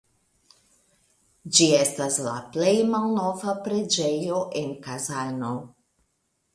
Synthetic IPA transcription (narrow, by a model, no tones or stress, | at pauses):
d͡ʒie̞stasla̰ple̞jmalno̞vapɾe̞d͡ʒe̞jo̞ʔe̞nkazano̞